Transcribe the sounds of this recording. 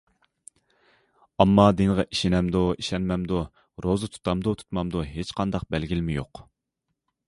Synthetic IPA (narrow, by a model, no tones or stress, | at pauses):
ɑmːɑd̪eŋʁɑʔiʃinɛmd̪oiʃɛnmɛmd̪u | ɾozɨt̪ʰu̥t̪ɑmd̪ut̪ʰu̥t̪mɑmd̪uɦet͡ʃqʰɑnd̪ɑq̚bælɡʲilɪmɪjo̰q